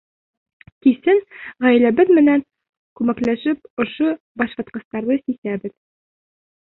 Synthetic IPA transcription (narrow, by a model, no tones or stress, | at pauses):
k̪isɘŋʁæjlæbɘðmɘ̆næŋ | kʉmæklæʃɘp̚ŏʃo | bɒʃɑ̆t̪qɤ̆st̪ɑɾðɤsisæbɘð